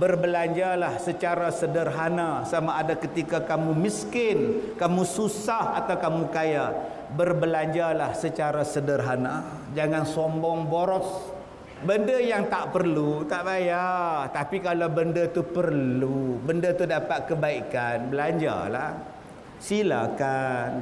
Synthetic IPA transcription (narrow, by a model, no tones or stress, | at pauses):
bərbəlaɲd͡ʒalahsət͡ʃaɾasədərɦanasamaːdakət̪ikakamumiskɪnkamususaha̰t̪awkamukaja | bərbəlaɲd͡ʒalahsət͡ʃaɾasədərɦana | d͡ʒaŋansɔmbɔŋboɾɔs | bəndəjaŋt̪aʔpərlut̪aʔbajart̪apikalawbəndət̪upərllubəndət̪udapat̪̚kəbaikanbəlaɲd͡ʒa̰la̰h | sila̰kan